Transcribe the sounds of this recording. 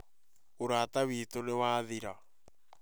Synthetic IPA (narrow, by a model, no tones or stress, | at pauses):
oɾaːtawiːtonewaːðiɾa